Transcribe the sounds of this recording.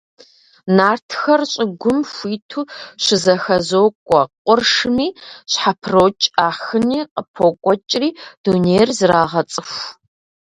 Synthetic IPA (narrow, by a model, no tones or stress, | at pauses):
naːrtʰxɐrɕʼɪɡʷʊmfʷiːtʰuːɕɪzɐxɐzoːkʷʼɔqʷʼʊrʂmiːɕħapʰroːt͡ʃʼaːxɨniːqʼəpʰoːkʷʼɔt͡ʃʼriːd̥uːneːjrzɨraːʁɐt͡sʼɨxʷ